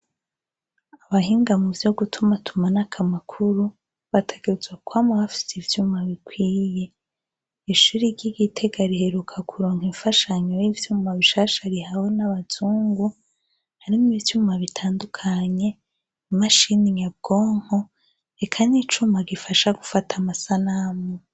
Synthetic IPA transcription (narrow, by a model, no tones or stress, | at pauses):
aβahiːŋɡamuvjo̞ɡutʰumatʰumanakʰamakʰuɾu | βatʰe̞ɡ̥eezwakwamuβafi̥sivjuːmaβikwiːje̞ | iʃuɾiɟiɡitʰe̞ɡaɾihe̞ɾukʰakʰuɾoːŋhiɱfaʃaɲojivjuːmaβiʃaːʃaɾihahonaβaz̥uːŋɡu | haɾimuivjuːmaβitʰaːndukʰaɲe̞ | maʃiniɲab̚ɡo̞ːŋ̥ho | ɾekʰaniːt͡ʃumaɡifaʃaɡufatʰamasanamo